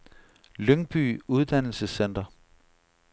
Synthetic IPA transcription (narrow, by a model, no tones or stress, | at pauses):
løŋb̥y̰ːuð̞ˠd̥æn̰l̩səsen̰d̥ɐ